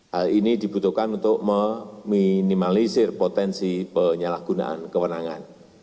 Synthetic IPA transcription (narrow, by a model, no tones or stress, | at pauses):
halinid̪̥i̤b̥ut̪uhkanunt̪ʊʔməminimalisɪrpot̪ɛnsipəɲalahɡ̥ṳna̰ʔa̰nkəwənaŋan